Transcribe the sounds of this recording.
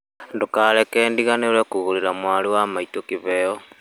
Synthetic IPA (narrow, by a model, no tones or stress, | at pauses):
ndukalekeːndiɣanelwekuɣuliɾamwaliwamaitokiβeo